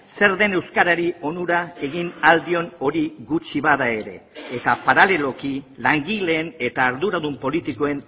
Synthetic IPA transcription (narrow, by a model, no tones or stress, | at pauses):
se̞ɾðe̞ne̞wskaɾaɾio̞nuɾae̞ɣ̞inald̪io̞no̞ɾiɣut͡ʃiβaðae̞ɾe̞̰ːt̪apaɾale̞lo̞kilaŋɡile̞ːne̞t̪aːɾðuɾaðumpo̞lit̪iko̞e̞n